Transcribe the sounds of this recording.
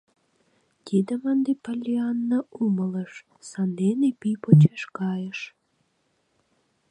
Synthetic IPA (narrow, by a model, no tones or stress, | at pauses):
t̪ʲid̪əmənd̪epɑlʲiɑnːɑumələʃ | sɑnd̪enepipot͡ɕeʃkɑjəʃ